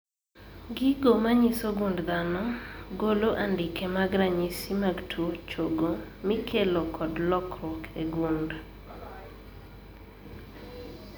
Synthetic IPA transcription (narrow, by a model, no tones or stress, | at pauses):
ɡɪɡomaɲisoɡundd̪anɔɡoloʔandɪkemaɡɾaɲisimaɡtʰuot͡ʃoɡomikʰelokʰɔdlɔkɾɔkeɡund